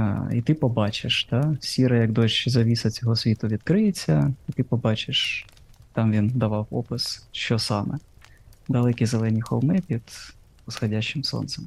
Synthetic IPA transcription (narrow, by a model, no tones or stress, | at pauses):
it̪ɪpɔbɑt͡ʃɪʃt̪ɑsʲiɾɐjɐkd̪ɔʃzɐʋʲisɐt͡sʲɔɦɔsʲʋʲit̪ʊʋʲid̪kɾɪjet͡sʲːɐit̪ɪpɔbɑt͡ʃɪʃ | t̪ɑmʋʲind̪ɐʋɑwɔpɪsʃt͡ʃɔsɑmɛ | d̪ɐlˠɛkʲizelˠɛnʲixɔ̰lˠmɪpʲid̪̥ | ɔsxɔdʲaʃɪmsɔ̰nt̪sɛm